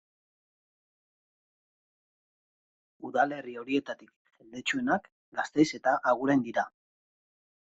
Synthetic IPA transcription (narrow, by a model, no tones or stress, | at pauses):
uðale̞rio̞ɾie̞t̪at̪ik | ʝeld̪et͡ʃue̞nak | ɡast̪e̞jse̞t̪aʔaɣ̞uɾend̪iɾa